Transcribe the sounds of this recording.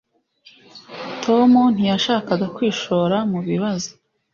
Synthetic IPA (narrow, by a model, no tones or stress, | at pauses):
tʰo̞mun̥ijaʃaːkaɡakwiːʃo̞ɾamuβiβazo̥